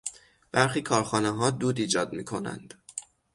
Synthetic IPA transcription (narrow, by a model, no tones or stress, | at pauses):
b̥æɾxiːkʰɒːɾxɒːneɦɒːd̪uːd̪iːd͡ʒɒːd̪miːkʰo̞næ̰nd̪̥